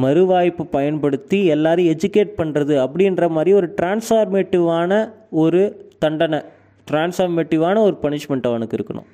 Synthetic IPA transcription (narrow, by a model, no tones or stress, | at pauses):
mɐɾɯʋaːjpːɯpɐjɐnpɐɽɯt̪ːiɛlːaːɾɯɛd͡ʒɯkeːʈ̚pɐɳːrɐðɯɐpːɐɽɪndrɐmaːd̪ɾiɔɾɯʈɾaːnsfaːɾmeːʈːɪʋaːnɐɔɾɯt̪ɐɳɖɐnɐ | ʈɾaːnsaːɾmeːʈːɪʋaːnɐɔɾɯpɐnɪʂmɛɳʈɐʋɐnɯkːɪɾɯkːɐɳʊ̰̃